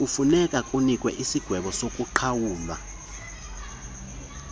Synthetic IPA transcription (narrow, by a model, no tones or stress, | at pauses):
ufunɛkʼakʼunikʼwɛʔisiɡ̥ʱwɛɓɔsokʼuǃʰawuːlwa̰